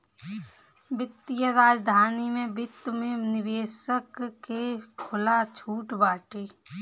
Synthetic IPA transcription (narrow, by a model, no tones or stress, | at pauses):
bɪt̪ːjəɾaːd͡ʒd̪ʱaːnimẽbɪt̪ːmẽnɪʋeːsəkːekʰʊlat͡ʃʰuːʈbaːʈeː